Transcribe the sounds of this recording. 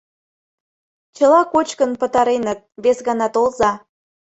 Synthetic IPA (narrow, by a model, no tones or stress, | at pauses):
t͡ɕəlɑkot͡ɕkənpə̆t̪ɑɾenət̪̚βesɣɑnɑt̪olzɑ